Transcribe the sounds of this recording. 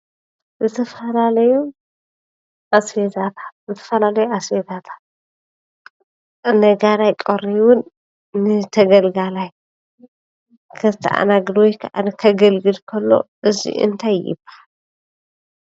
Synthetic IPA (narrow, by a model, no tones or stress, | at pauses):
zɨt̪ʰɐfɐlalɐju | ʔasfezat̪ʰḁt̪zɨt̪ʰɐ̥fɐlalɐjuasfezat̪ʰḁt̪̚ | nɐɡalajkʼɐɾiwʊnː | ɨt̪ʰɐɡɐlɡalaj | kʰɐzt̪ʰɐ̰ʔa̰naɡd̪wojkʰɐʔankʰɐɡɐlɡɨlkʰɐlːo̞̰ʔɨzḭʔɨ̰nt̪ʰajːɪ̰baħal